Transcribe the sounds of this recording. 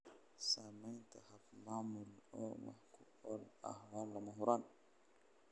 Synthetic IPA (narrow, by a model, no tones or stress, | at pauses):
samaɲtahap̚mamulɔ̰ma̰hku | ɔla̰hwanlamaɦuɾan